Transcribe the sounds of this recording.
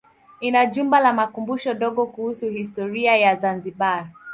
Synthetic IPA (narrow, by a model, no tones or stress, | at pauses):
inaʄumbalamakumbuʃɔɗɔɠɔkuhusuhistɔɾiajazanziɓa